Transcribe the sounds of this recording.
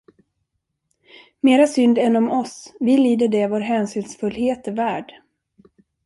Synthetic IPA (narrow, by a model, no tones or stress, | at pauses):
meːɾasʏnd̪ɛnɔmɔsvɪliːd̪əɖɛvoːɾɦɛnsyːnsfɵlːheːt̪ɛvæːɖ